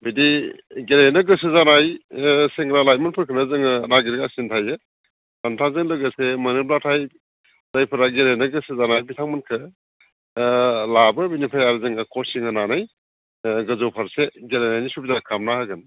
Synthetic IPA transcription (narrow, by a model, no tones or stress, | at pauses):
bidiɡeɾajnɐɡɯsɯzanajseŋɡɾalajmɯnpʰɯɾkʰɯnazɯŋɯnaɡiɾɡasintʰajɯ | santʰazɯŋlɯɡɯsemɐneblatʰaj | dajpʰɯɾaɡeɾejnɐɡɯsɯzanajbitʰaŋmɯnkʰɯ | labɯbinipʰajaɾɯzɯŋɯkʰɔsiŋɯnanaj | ɡɯzowpʰaɾseɡeɾajnajnisubizakʰamnahaɡɯn